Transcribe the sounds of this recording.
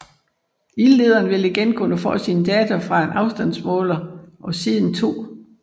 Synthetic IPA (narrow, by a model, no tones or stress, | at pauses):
ille̝ːð̞ˠɐːnʋe̝liɡ̥enkʰunəfɒ̰̽ːsiːnəd̥ɛːt͡sʰofʁɑ̈e̝nʔɑ̈ʊsd̥æn̰smɔ̰̽ːlɐʔɒ̽siðˠn̩t͡sʰo̝̰ː